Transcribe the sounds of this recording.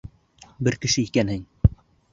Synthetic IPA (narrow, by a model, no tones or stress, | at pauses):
bɘɾkɘ̆ʃɘikænhɘŋ